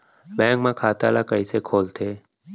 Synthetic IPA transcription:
bɛ̃ːŋkmãːkʰaːt̪a̰ːlaːkəiseːkʰoːlt̪ʰeː

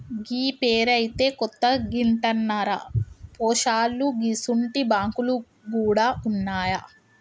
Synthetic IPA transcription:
ɡiːpeːɾɐjit̪e̞ːkɔt̪ːɐɡiɳʈɐnːaɾɐ̰pɔːʃaːlːuɡiːsuɳʈibaːŋkulu | ɡuːɽaːʔunːaːjɐ

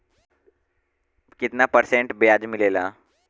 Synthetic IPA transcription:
kit̪napəɾsẽɳʈbjad͡zmilela

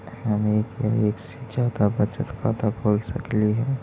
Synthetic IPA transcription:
həmeːkjaeːksd͡ʒaːd̪abət͡ʃət̪ka̰ːt̪abʱoːlsə̰kliɦɛː

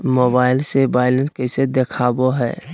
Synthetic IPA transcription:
moːbaːɪlsebaːɪlənkəsed̪ekʰaːboɦɛ̰ː

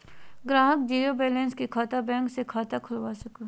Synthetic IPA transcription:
ɡɾaːɦək̚d͡ʒiːɾobɛːlɛ̃ːnskikʰaːt̪abɛ̃ːŋksekʰaːt̪akʰʊlʋaːsɐko

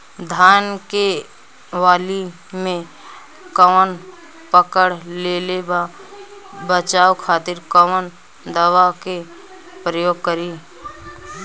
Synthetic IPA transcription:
d̪ʱaːnke | ʋaːli | mẽ | kəʋən | pəkəɽleːleba | bət͡ʃaːwkʰaːt̪ɪɾkəʋən | d̪əʋake | pɾəjoːɡ̚kəɾiː

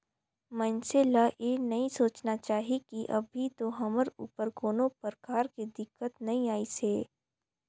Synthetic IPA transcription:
mɐ̃nselajenɐɦĩsoːt͡ʃnat͡ʃaːɦikiʔɐ̰bʱit̪oɦɐməɾṵːpəɾɡoːnõpəɾkaːɾkid̪ɪkːət̪nɐɦĩaːiseː

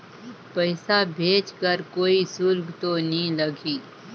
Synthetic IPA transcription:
pəɪsabʱeːt͡ʃkəɾkoːisʊɾɡt̪onɦĩlɐɡiː

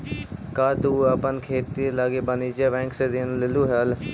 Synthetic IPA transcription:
kaːd̪uːəpənkʰeːt̪ilaɡeːbəniːd͡ʒeːʋɛ̃ːŋksed̪inlɪluːɦɛl

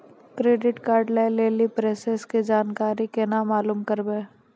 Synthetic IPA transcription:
kɾeːɖɪʈkaːɾɖlaɪleːlipɾeːseskid͡ʒaːnkaːɾikenamaːluːmkɐɾbẽː

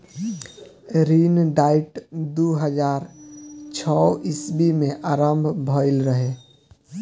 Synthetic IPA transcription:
ɾiːnɖaɪʈd̪uɦəd͡ʒaːɾt͡ʃʰɔisbimẽʔaːɾəmbʱbʱɔɪlɾəɦe

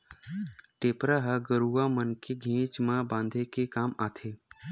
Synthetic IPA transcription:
ʈeːpɾaɦəɡəɾuamənkʰeɡʱẽːt͡ʃmãbãːnd̪ʱekekaːmaːt̪ʰeː

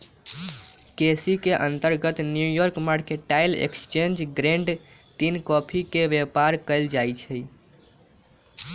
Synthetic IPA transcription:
kesikeʔənt̪əɾɡət̪njujɔɾkmaɽkeʈajlḛkst͡ʃend͡ʒɡɾẽɳɖ | t̪inkɔpʰikeʋepaɾkəɪld͡ʒajt͡ʃʰə

